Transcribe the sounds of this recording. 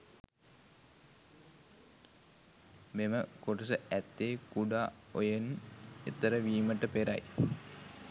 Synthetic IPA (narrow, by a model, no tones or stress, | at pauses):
meməkoʈusəæt̪ːeːkuɖaːojenet̪ːəɾəʋiːməʈəpeɾa̰j